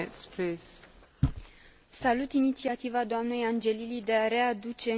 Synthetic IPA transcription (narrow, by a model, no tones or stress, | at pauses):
ɛkspʰles | salut̪init̪siat̪ivad̪oamne̞jand͡ʒe̞lilid̪e̞aɾe̞ad̪ut͡ʃe̞